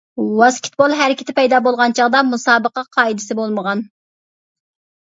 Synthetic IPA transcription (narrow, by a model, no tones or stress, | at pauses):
wɑskʲʰɪ̥t̪̚bolˠɦæɾɪkʲɪ̥t̪ʰɪpɛjd̪ɑːbolˠʁɑnt͡ʃʰɑʁd̪ɑmusɑːbəqɑqʰɑːid̪ɪsɪbolˠməʁɑn